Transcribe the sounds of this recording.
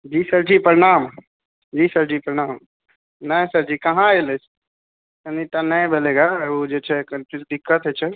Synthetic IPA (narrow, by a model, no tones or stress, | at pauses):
d͡ʒiːsəɾd͡ʒipəɾɪñaːm | d͡ʒiːsəɾd͡ʒiːpəɾɪñaːm | nə̃səɾd͡ʒiːkɐɦãelet͡ʃʰ | ənit̪anə̃bʱeleɡaod͡ʒet͡ʃʰɛkəpʰiɾd̪ɪkːət̪ɦet͡ʃʰɛ